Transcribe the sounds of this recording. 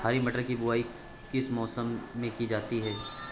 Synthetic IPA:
aːɾimɐʈəɾkibʊaːi | kɪsmɔːsəmːẽkid͡ʒaːt̪iɦɛː

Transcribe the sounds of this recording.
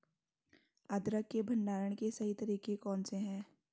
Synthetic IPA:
əd̪ɾəkːebʱɐ̃ɳɖaːɾəɽ̃kesɐɦit̪ɐɾiːkekɔ̃ːnseɦɛ̃ː

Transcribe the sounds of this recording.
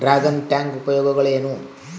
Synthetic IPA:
ɾaːɡɐnʈaːŋɡubɐjoːɡɐɣɐɭenu

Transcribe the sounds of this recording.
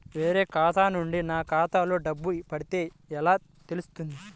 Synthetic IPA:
ʋe̞ːɾe̞ːkaːt̪aːnuɳɖinaːkaːt̪aːlo̞ːɖɐbːupɐɽit̪e̞ː | ɛlaː | t̪e̞lust̪und̪i

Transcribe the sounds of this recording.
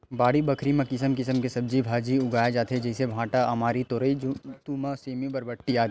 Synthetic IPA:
baːɽibɐkʰɾimẽkɪsəmkɪsəmkesɐb̚d͡ʒibʱaːd͡ʒiʊɡaːjad͡ʒaːt̪ʰɦed͡ʒɛːsebʱãːʈaɐmaːɾit̪oːɾəit̪uːmaseːmũbɐɾbəʈːiaːd̪

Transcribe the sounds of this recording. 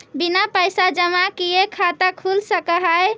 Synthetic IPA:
binapəjsad͡ʒəmakijekʰat̪akʰulsəkəɦaj

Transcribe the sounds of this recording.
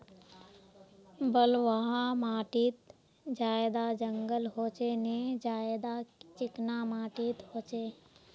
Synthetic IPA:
bəlʋaɦamaːʈɪt̪ | d͡ʒaːed̪ad͡ʒə̃ŋɡəlɦoːt͡ʃened͡ʒaːed̪at͡ʃɪknamaːʈɪt̪ɦoːt͡ʃeː

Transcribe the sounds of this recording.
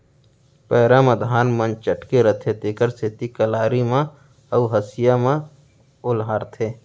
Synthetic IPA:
pɛːɾaməd̪ʱaːnmə̃nt͡ʃəʈkeɾət̪ʰet̪eːkəɾsɪt̪ikəlaːɾimã | əuɦəsɪjamã | ʊlɦaːɾt̪ʰeː

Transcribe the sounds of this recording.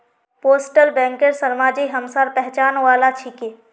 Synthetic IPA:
poːsʈəlbɛ̃ːŋkəɾsəɾmaːd͡ʒiɦɐmsaːɾpɛɦt͡ʃaːnʋaːlat͡ʃʰike

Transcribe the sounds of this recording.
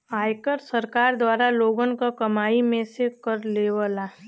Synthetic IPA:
aːjkəɾsəɾkaːɾd̪waːɾaloːɡənkakɐmaːimẽsekəɾleːʋala

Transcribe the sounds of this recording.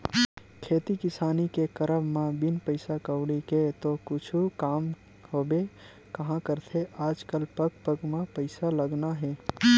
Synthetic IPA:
kʰeːt̪ikɪsaːnikekəɾəmmãbinpəɪsakəʊɽiket̪okʊt͡ʃʰukaːm | hoːbe | kəɦãkəɾt̪ʰeaːd͡ʒkəlpəkpəɡmãpəɪsaləɡnaɦɛː

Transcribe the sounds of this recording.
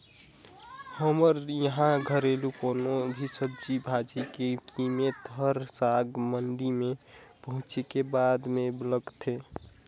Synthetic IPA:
həməɾjəɦãɡʱəɾelukoːnobʱisəb̚d͡ʒibʱad͡ʒikekʰimet̪ɦəɾsaɡməɳɖimẽpəɦʊ̃t͡ʃekebaːd̪mẽbləɡt̪ʰe

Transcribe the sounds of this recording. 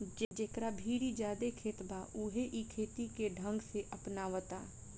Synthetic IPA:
d͡ʒed͡ʒeːkɾabʱiːɾid͡ʒjaːd̪ekʰeːt̪baʔuɦeʔikʰeːt̪ikeɖʱə̃ŋɡseʔəpnaːʋət̪aː

